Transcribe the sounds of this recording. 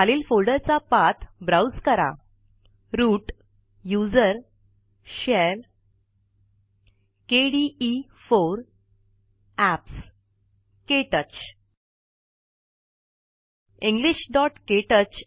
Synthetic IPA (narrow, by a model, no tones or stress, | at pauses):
aliːlfolɖəɾt͡sapat̪ʰbɾawd͡zkəɾa̰ | ɾuːʈ | jud͡zəɾ | ɕɛɾ | keɽiifoɾ | æps | keʈət͡ɕ | ĩŋɡliɕɖɔʈkeʈət͡ɕ